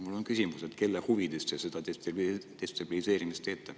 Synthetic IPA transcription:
mulːo̞nkysimuset̪ke̞lːehuvid̪̥est̪esed̪̥ɑet̪t̪est̪ɑb̥ilise̞ːɾimist̪e̞ːt̪ːˑe

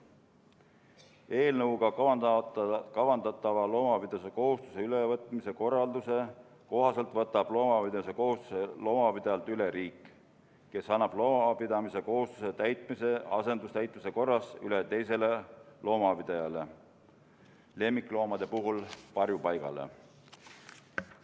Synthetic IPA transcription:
e̞ːlnɤwɡ̥ɑ | kɑvɑnd̪̥ɑt̪ːˑɑvɑlo̞ːmɑpid̪̥eseko̞ɦust̪u̥se̞ylevɤt̪ːˑmise̞ko̞rːɑld̪use̞ | ko̞ɦɑse̞lt̪vɤt̪ːˑɑb̥lo̞ːmɑpid̪ɑiseko̞ɦust̪uselo̞ːmɑpid̪̥ejɑlt̪yleɾiːkːˑ | ke̞sɑnːɑb̥lo̞ːmɑpid̪ɑmise̞ko̞ɦust̪u̥se̞t̪æjt̪ˑmise̞ɑse̞nd̪ust̪æjt̪ːˑmise̞ko̞rːɑsylet̪e̞jse̞le̞lo̞ːmɑpid̪̥ejɑle̞ | le̞mːikˑlo̞ːmɑd̪̥e̞puɦulpɑrjupɑjɡ̥ɑ̰le̞̰

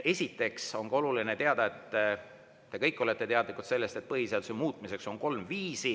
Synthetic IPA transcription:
e̞sʲit̪ːˑe̞kso̞ŋkɑo̞lulinet̪e̞ɑd̪̥ɑe̞t̪ː | t̪ːe̞kɤjkːˑo̞le̞t̪ːˑe̞t̪eɑd̪likˑut̪se̞lːe̞st̪e̞t̪̚pɤɦiseɑlsemuːt̪ˑmise̞kso̞ŋko̞lmviːsi

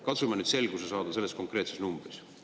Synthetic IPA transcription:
kɑt̪sumɑnyːd̪se̞lɡ̥usesɑːd̪ɑse̞lːesko̞ŋkre̞ːt̪sesnumb̥ris

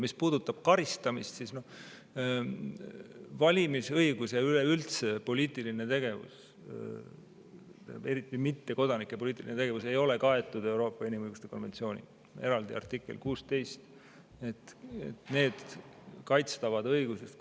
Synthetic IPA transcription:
mispuːd̪̥ut̪ːˑɑb̥̚kɑɾist̪ɑmist̪sisno̞ | vɑlʲimisɤjɡ̥usjɑyleylt̪se̞po̞lʲiːt̪ːˑiline̞t̪e̞ɡ̥e̞vṵs | t̪e̞ɾit̪ːˑimit̪ːe̞ko̞d̪ɑnikːˑe̞po̞liːt̪ːˑilinet̪e̞ɡ̥e̞vuse̞jo̞le̞kɑe̞t̪ːˑud̪e̞wɾo̞ːpːˑɑinimɤɯjɡust̪e̞ko̞nve̞nt̪sio̞ːnʲḭ | e̞ɾɑld̪ḭɑ̰rt̪ikːˑelkuːst̪e̞jst̪ | e̞t̪ːˑet̪ne̞ːd̪̥kɑjt̪st̪ɑvɑd̪ɤjɡ̥uses

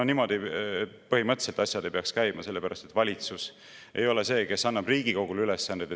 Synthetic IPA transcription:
onimo̞d̪̥iet̪pɤɦhimɤt̪ˑselt̪ɑsʲjɑd̪̥e̞jpeɑkskæjmɑse̞lːe̞pæɾʔɑst̪e̞t̪vɑlʲit̪sus | ʔe̞̰jo̞le̞se̞ːke̞sɑnːɑb̥riːɡiko̞ɡ̥ulylesːɑnd̪id̪e

